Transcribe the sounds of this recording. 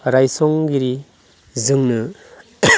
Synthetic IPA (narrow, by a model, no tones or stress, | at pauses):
ɾajsɔŋɡiɾi | zɯŋnɯ